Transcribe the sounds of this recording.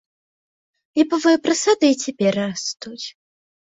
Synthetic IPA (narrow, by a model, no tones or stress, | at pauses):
lʲibɔvɔjɛpɾɐsad̪ɨit͡sʲɛpʲɛrɾast̪ut͡sʲ